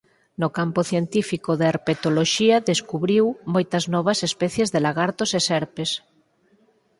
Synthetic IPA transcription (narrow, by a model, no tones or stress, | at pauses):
nokampoθjent̪ifikoðeɾpet̪oloʃiaðeskuβɾiwmojt̪ɐznɔβ̞ɐsespɛθjezðelaɣaɾt̪osesɛɾpes